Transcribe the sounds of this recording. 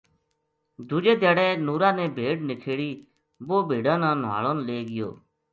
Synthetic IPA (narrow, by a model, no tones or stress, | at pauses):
d̪ʱud͡ʒeːd̪jaːɽɛːnuːɾãːnɛ̃ːbʱeːɖnɪkʰeːɽiː | boːbʱeːɖãːnãːnʋa̰ːɭoːnleːɡɪjo̰ː